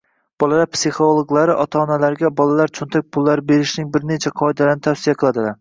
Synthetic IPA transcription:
b̥ɒlalaɾpsiχolˠoɡlˠaɾɪʔɒt̪ʰaːnalaɾɡʲabɒlalaɾt͡ʃʰʊnt̪ʰak̚ʲpʰʊlˠːaɾɪbeɾɪʃnɪŋbɪɾnet͡ʃʰaqʰɒɪd̪alɪɾnɪt̪ʰafsijaqʰɨlˠad̪ɪlaɾ

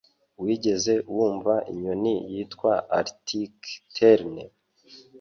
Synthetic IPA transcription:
wiːɟe̞ze̞wuːɱvaʔḭɲonijiːtkwaa̰ɾtʰiktʰeɾnḛ

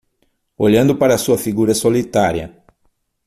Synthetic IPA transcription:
oʎɐ̃nd̪ʊpaɾɐːsuɐfiɡuɾɐsolit̪aɾiɐ̰

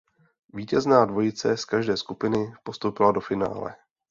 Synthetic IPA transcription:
viːcɛznaːdvo̞jɪt͡sɛskaʒdɛːskupɪnɪpo̞st̪owpɪlado̞fɪna̰ːlɛ̰

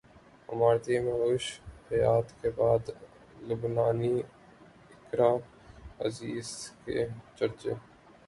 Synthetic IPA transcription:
ə̰maːɾt̪eməuːʃhəjaːt̪kebaːd̪ | lʊbnaːni | ɪkɾaː | ə̰ziːzkḛt͡ʃəɾt͡ʃeː

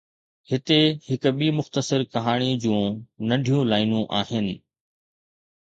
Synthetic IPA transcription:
hɪt̪ehɪkɓimʊxt̪əsəɾkɐɦaːɽ̃id͡ʑũːnɐɖʱijũlaːɪnũʔaːɦɪnɪ̆

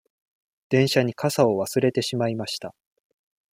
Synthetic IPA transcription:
d̪̥ẽ̞ɰ̃ɕaɲ̟ikʰasao̞βasɨɾe̞t̪e̞ɕimaimaɕi̥t̪a

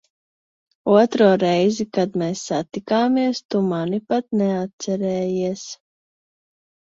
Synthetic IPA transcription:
uɔt̪ɾuːɾɛjzikad̪mɛːsːat̪ikaːmiɛst̪umanipat̪̚nɛat̪̚t̪sɛɾɛːjiɛs

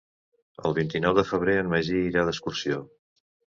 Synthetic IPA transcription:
ə̰lˠβint̪inɔwðəfəβ̞ɾeənməʒiiɾaðəskursio

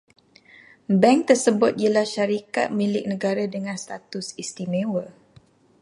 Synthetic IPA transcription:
bɛŋk̚t̪ərsəbʊt̪̚iəlahʃaɾika̰t̪̚mĩlɪk̚nə̃ɡaɾadəŋãnst̪at̪ʊsist̪imẽwə

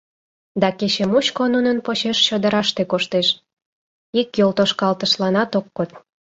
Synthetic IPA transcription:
d̪ɑket͡ɕemuɕkonunənpot͡ɕeʃːəd̪əɾɑʃt̪ekoʃt̪eʃ | ikjolt̪oʃkɑlt̪əʃlɑnɑt̪okːot̪̚

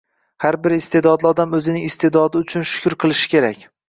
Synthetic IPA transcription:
haɾbɪɾɪst̪e̞d̪ɒd̪lɪɒd̪amɵzɪnɪŋɪst̪ʰe̞d̪ɒd̪ɪʊt͡ʃʰʊnʃʊ̥kʲʊɾqʰɨlˠɪʃɪ̥kʲʰe̞ɾakʲ

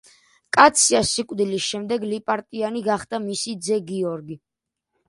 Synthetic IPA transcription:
kʼat̪sʰiasːikʼvd̪ilisʃɛmd̪ɛɡlipʼaɾt̪ʼianiɡaχd̪̥amisid̪zɛɡiɔɾɡi

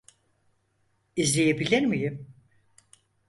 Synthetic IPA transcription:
izlʲejebilʲiɾmijim

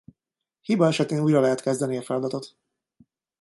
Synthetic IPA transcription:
hibɒɛʃɛt̪eːnuːjrɒlɛɦɛt̪kɛzd̪ɛniɒfɛlɒd̪ɒt̪o̞t̪

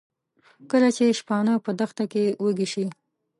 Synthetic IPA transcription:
kəlat͡ʃeʃpɑnəpəd̪əxt̪akewəɡiʃi

